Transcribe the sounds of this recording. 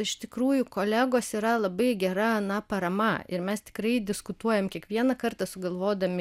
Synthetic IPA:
ɪʃt̪ʲɪkɾuːjʊkoːlʲæɡoːsiːɾɐlˠɐbɐɪɡʲɛɾɐɐnɐpɐɾɐmɐɪɾmʲɛst̪ʲɪ̥kɾɐɪd̪ʲɪskʊt̪uɔjɛmkʲiɛkʋʲiɛnɐkɐrt̪ɐsʊɡɐlˠʋoːd̪ɐmʲɪ

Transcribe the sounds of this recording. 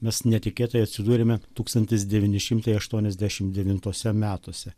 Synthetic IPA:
mʲɛsnʲɛt̪ʲɪkʲeːt̪ɐjɐt̪ʲsʲɪd̪uːɾʲemʲɛt̪uːkst̪ɐnʲt̪ʲɪsd̪ʲɛʋʲɪːnʲɪʃʲɪmt̪ɐɪɐʃt̪uɔnʲɛzʲd̪ʲæːʃʲɪmd̪ʲɛʋʲɪnt̪uɔsʲɛmʲæːt̪oːsʲɛ

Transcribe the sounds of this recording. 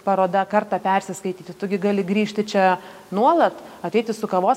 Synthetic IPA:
pɐɾoːd̪ɐkɐrt̪ɑpʲɛrʲsʲɪskɐɪt̪ʲiːt̪ʲɪt̪ʊɡʲɪɡɑːlʲɪɡɾʲiːʃʲt̪ʲɪt͡ʃʲɛ | nuɔlˠɐt̪ɐt̪ʲɛɪt̪ʲɪsʊkɐʋoː

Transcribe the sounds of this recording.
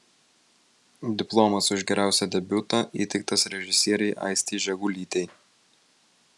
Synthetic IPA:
d̪ʲɪplˠomɐsʊʒɡʲɛɾʲʔæˑʊsʲɛd̪ʲɛbʲʊt̪ɐʔiːt̪ʲɛɪk̚t̪ɐsɾʲɛʒʲɪsʲiɛɾʲɛɪʔɐ̰ɪsʲt̪ʲiːʒʲɛɡuːlʲiːt̪ʲɛɪ

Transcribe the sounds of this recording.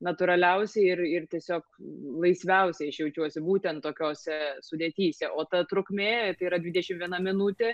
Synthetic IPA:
nɐt̪ʊɾɐlʲɛʊsʲɛɪɪrɪrt̪ʲiɛsʲoːklˠɐɪsʲʋʲɛʊsʲɛɪɐʃjɛʊt͡ʃʲuɔsʲɪbuːt̪ʲɛnt̪t̪oːkʲoːsʲɛsʊd̪ʲeːt̪ʲiːsʲɛʔoːt̪ɐt̪ɾʊkmʲeːt̪ɐɪiɾɐd̪ʲʋʲɪd̪ʲɛʃʲɪmʋʲiɛnɐmʲɪnut̪ʲe

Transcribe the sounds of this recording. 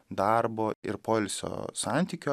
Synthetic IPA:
d̪ɑɾboːɪ̰ɾpoːlʲsʲo̰ːsɑnʲt̪ʲiːkʲoː

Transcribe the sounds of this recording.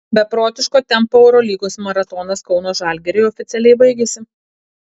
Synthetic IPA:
bʲɛpɾoːt̪ʲɪʃkoːt̪ʲɛmpoːɛʊɾɔlʲiːɡoːsmɐɾɐt̪ɔnɐskɒʊnoːʒɑːˑlʲɡʲɛɾʲɛɪɔfʲɪt̪sʲɛlʲɛɪbɐɪɡʲeːsʲɪ

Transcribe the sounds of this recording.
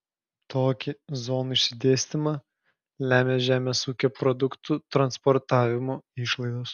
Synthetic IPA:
t̪oːkʲɪzoːnʊɪʃʲsʲɪd̪ʲeːsʲt̪ʲɪmɑ | lʲæːmʲeːʒʲæːmʲeːsuːkʲoːpɾɔd̪ʊkt̪ut̪ɾɐnspɔɾt̪ɑːʋʲɪmoːɪʃlˠɐɪd̪oːs

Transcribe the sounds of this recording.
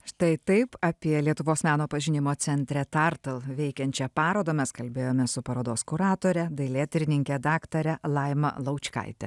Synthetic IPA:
ʃt̪ɐɪt̪ɐɪpɐpʲiɛlʲiɛt̪ʊʋoːsmʲæːnoːpɐʒʲɪnʲɪmoːsʲɛnʲt̪ʲɾʲɛt̪ɐɾt̪ɐlˠʋʲɛɪkʲɛnʲt͡ʃʲɛpɑːɾoːd̪ɐmʲɛskɐlʲbʲeːjoːmʲɛsʊpɐɾoːd̪oːskʊɾɑːt̪oːɾʲɛd̪ɐɪlʲeːt̪ʲɾʲɪnʲɪŋʲkʲɛd̪ɑːkt̪ɐɾʲɛlˠɐɪmɐ̰lˠɐʊt͡ʃʲkɐ̰ɪt̪ʲɛ

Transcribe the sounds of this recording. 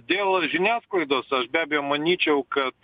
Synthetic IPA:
d̪ʲeːlˠʒʲɪnʲæːsklˠɐɪd̪oːsɐʃbʲæːbʲɛjoːmɐnʲiːt͡ʃʲɛʊkɐt̪

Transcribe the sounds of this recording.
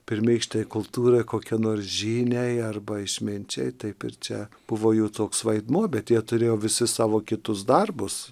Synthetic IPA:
pʲɪɾʲmʲiɪkʃʲt̪ɛjɪkʊlˠt̪uːɾɐɪkoːkʲiɛnoːrsʒʲiːnʲɛɪɐrbɐɪʃʲmʲɪnʲt͡ʃʲɛ̰ɪt̪ɐɪpɪ̰ɾt͡ʃʲɛ | b̥ʊʋoːjuːt̪oːksʋɐɪd̪muɔbʲɛt̪jiɛt̪ʊɾʲeːjoːʋʲɪsʲɪsɑːʋoːkʲɪt̪ʊsd̪ɐrbʊs

